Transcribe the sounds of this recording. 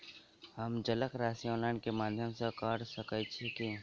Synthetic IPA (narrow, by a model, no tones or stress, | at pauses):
ɦəmd͡ʒələkɾaːsioːlaːnkemaːd̪ʱjəmsekaːɾsəkət͡ʃʰeke